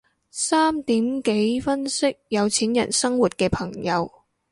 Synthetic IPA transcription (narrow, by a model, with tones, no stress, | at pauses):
saː˥mt̪iː˨˥mke˨˥jfɐ˥nsɪ˥k̚jɐ˨˧wt͡sʰiː˨˥njɐ̰˨˩nsɐ˥ŋwu˨˩t̚kɛː˧pʰɐ˨˩ŋjɐ˨˧w